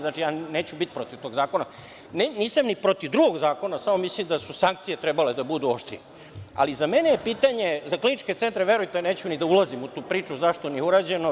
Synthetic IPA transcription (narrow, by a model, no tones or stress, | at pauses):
znat͡ʃijaːne̞ːt͡ɕubit̪i̥pɾot̪iʋt̪o̞ɡzaːko̞na | neniːsamnipɾot̪iʋd̪ɾuɡo̞ɡzaːko̞nasamomislimd̪asusaŋk̚t̪sijet̪ɾebale̞d̪abud̪uoʃt̪ḭni | a̰lizamenejepiːt̪aɲe̞zaklinit͡ʃket̪e̞nt̪ɾeʋeɾujt̪ene̞ːt͡ɕunid̪aulˠazimut̪uːpɾiːt͡ʃuzaʃt̪o̞nieuɾaːd͡ʑe̞no